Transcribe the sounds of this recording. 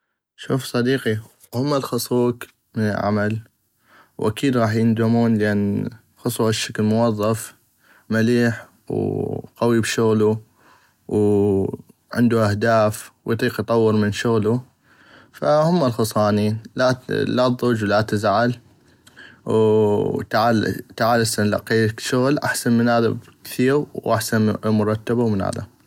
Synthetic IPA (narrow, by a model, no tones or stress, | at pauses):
ʃṵːfsˤɑd̪iːqi | hʊmːalxɑsˤuːk | mɪnɪ̰lʕa̰mal | wʔa̰kiːd̪ɣɑːħjɪnd̪amuːnlʔan | xʊsˤuaʃːaklmʊwɑðˤːɑf | maliːħ | wqawibʃʊɣlu | w | ʕɪ̰nd̪uʔahd̪aːfwjt̪ˤiːqjt̪ˤɑwːɨɾmɪnʃʊɣlu | fa̰hʊmːalxʊsˤɑːniːnlalad̪ˤud͡ʒwlat̪ɪzʕal | wt̪aʕalt̪aʕaːlɪsanla̰qiːkʃʊɣlʔa̰ħsanmɪnhaːða̰bkθiːɣwʔaħsanmʊɾˤɑt̪ːabawmɪnha̰ːða̰